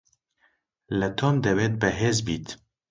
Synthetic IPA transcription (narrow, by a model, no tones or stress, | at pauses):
lət̪ʰoːmd̪ɛveːt̪̚bɛɦeːzbiːt̪